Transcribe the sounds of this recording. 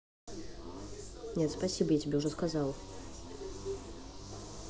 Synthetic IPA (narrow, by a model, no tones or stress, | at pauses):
nʲɛt̪spasʲibɐjat͡ɕʲabʲɛuʐɔskazawˠ